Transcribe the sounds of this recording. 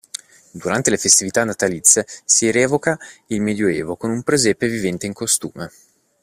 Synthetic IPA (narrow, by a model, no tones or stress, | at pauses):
d̪uɾant̪elefest̪ivit̪anːat̪alit̪sːesiɾɛːvokailmed̪joɛːvokonumpɾezɛpevivɛnt̪eiŋkost̪ṵːme